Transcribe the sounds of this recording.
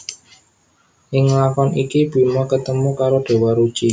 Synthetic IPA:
ʔɪŋlakɔnʔikib̥imɔkət̪əmukaɾoɖ̥e̤wɔɾud̥ʒ̥i

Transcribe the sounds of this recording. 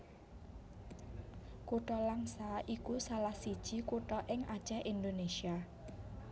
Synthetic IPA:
kuʈɔlaŋsaʔikusalahsid̥ʒ̥i̤kuʈɔʔɪŋad̥ʒ̥a̤ʔind̪onesia

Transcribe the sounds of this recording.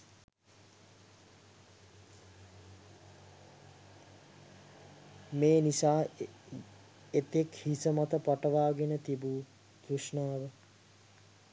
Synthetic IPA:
meːnisaː | et̪ekhisəmat̪əpaʈəʋaːɡenət̪ibuː | ɡɾuʂnaːʋə

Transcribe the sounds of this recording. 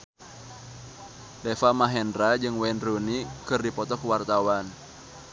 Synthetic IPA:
dɛfamaɦɛndɾad͡ʒɨŋwɛnrunikɨrdipɔt̪ɔkwart̪awan

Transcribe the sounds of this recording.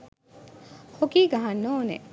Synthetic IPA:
hokiːɡaɦanːoːnḛ

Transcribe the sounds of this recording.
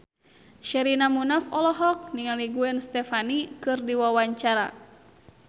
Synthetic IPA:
ʃɛɾinamunafɔlɔɦɔk̚niŋaliɡuɛnst̪ɛfanikɨrdiwawaɲt͡ʃaɾa̰

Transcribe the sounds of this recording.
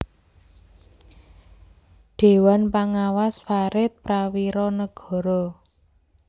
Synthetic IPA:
ɖ̪̥e̤wanpaŋawasfaɾɪt̪̚pɾawiɾɔnəɡ̥ɔ̤ɾɔ

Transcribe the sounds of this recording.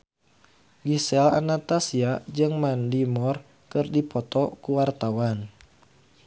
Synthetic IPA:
ɡisɛlanat̪asiad͡ʒɨŋmandimɔr | kɨrdipɔt̪ɔkuwart̪awan

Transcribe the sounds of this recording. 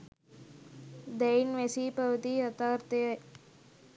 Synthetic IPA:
d̪ejnʋesipɐʋɐt̪iɐt̪aːɾt̪ɐjɐ

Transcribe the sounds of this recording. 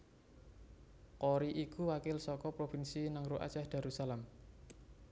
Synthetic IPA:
koɾiʔikuwakɪlsɔkɔpɾofɪnsinaŋɾuʔa̰̥t͡ʃahd̪̥a̤ɾusalam

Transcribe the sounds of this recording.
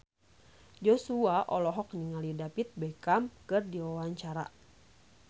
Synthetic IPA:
d͡ʒɔsuaʔɔlɔɦɔk̚ɲiŋalidapit̪̚bɛkamkɨrdiwawaɲt͡ʃaɾa̰

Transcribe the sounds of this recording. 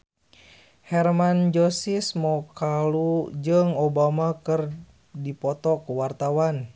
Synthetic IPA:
hɛrmand͡ʒosismɔkalud͡ʒɨŋobamakɨr | dipɔt̪ɔkuwart̪awan

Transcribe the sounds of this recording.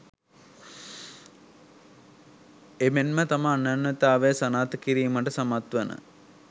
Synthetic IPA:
emenmət̪amaːnːanːət̪aːʋesɐnaːt̪əkiɾiːməʈəsɐmat̪ʋənə̰

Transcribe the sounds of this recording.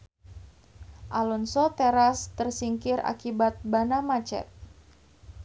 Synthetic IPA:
ʔalɔnsɔt̪eɾast̪ərsiŋkɪra̰kibat̪̚banamat͡ʃɛ̰t̪̚

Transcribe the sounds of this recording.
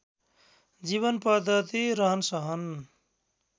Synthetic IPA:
d͡ziβʌnpʌd̪ʱʌt̪iɾʌɦʌnsʌɦʌn

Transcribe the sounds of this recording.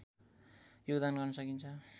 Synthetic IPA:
joɡd̪anɡʌrnʌsʌkint͡sʰʌ

